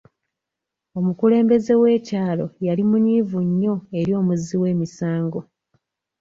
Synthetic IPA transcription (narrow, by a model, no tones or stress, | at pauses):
o̞mukule̞ːmbe̞ze̞we̞ːcaːlo̞̰jalimunivuɲːo̞e̞ɾjo̞ːmuziwe̞ːmisaːŋɡo̞